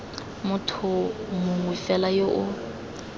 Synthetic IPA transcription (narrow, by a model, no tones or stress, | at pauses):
mʊtʰʊmʊŋwifɛlajoʔʊ